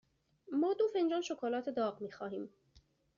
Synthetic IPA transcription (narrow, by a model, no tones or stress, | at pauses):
mɒːd̪oːfend͡ʒɒːnʃokʰoːlɒːt̪ʰed̪ɒːɣmiːxɒːɦiːm